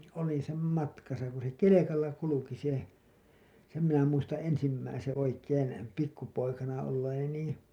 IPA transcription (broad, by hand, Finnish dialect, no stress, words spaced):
olin̞ sem mɑtkɑsɑ ku se kelekɑlːɑ kuluki se sem minæ muistɑ̃ː ensimːæisẽː oikeːn pikːupoikɑnɑ olːeːni niː